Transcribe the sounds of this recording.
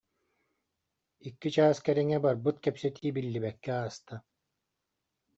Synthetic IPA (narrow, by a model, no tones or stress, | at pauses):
ikːit͡ʃaːskɛɾiŋɛbaɾbɯt̪̚kɛpsɛt̪ʰiːbilːibɛkːɛaːst̪a